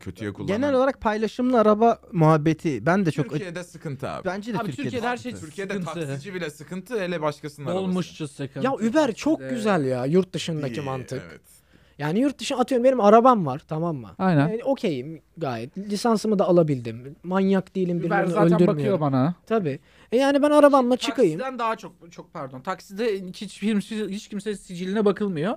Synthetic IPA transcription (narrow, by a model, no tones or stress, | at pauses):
cʰøt̪ʰyjɛkʰulˠːɟenɛlʲo̞lˠaɾak̚pʰajlˠaʃɯmlˠɯaɾabamuɦabːet̪ʰibænd̪ɛt͡ʃʰokijɛd̪ɛsɯkʰɯnt̪ʰɯa̰ːbbænd͡ʒɛd̪bɾʰyɾieɛd̪ɛhæɾʃejyɾcʰijed̪ɛaid͡ʒibilʲɛsɯkʰɯnt̪ʰɯelʲɛbaʃkasɯnd̪aolˠmuʃt͡ʃʰusɯkʰɯjaybæɾt͡ʃʰo̞k̚ɟyzælʲjajuɾt̪̚d̪ɯʃɯnd̪acʰimant̪ʰɯkɛ̰ | jaːnijuɾt̪̚d̪ɯʃɯnat̪ʰɯjo̞ɾumbe̞nimaɾabamvaɾ̥t̪ʰamamːa̰ajnænnio̞cʰejim | ɡaːjɛt̪lʲisansɯmɯd̪aːlˠabilʲd̪imːanjakd̪ijilʲimbiɾɾɾnøld̪ymyjɯjobanat̪ʰabiː | ɛjaːnibænaɾabanlˠat͡ʃʰɯkajɯmd̪ænd̪aɦat͡ʃʰok̚t͡ʃʰok̚pʰæɾd̪ont̪ʰaksid̪ɛcʰit͡ʃfiɾmsihit͡ʃcʰimsɛsid͡ʒilʲinɛbakʰɯlˠmɯjo